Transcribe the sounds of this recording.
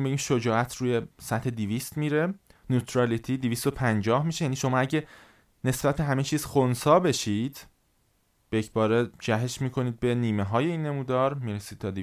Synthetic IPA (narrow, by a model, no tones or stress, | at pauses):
imbe̞ɟimʃod͡ʒɒːʔæt̪ʰɾuːje̞sæt̪ʰhe̞d̪iviːst̪miːɾe̞ | nuːt̪ʰɾɑlit̪ʰid̪ivist̪o̞pʰænd͡ʒɒːhmiːʃejæːniːʃo̞mɒːæɟe | ne̞sb̥æt̪̚beɦæmet͡ʃʰiːz̥xonsɒːbe̞ʃiːd̪̥ | b̥eecʰbɒːɾe̞d͡ʒæɦe̞ʃmiːkʰo̞niːd̪̚be̞niːmeɦɒːjeiːnːe̞muːd̪ɒːɾmiːɾesiːd̪̥̚tʰɒːd̪i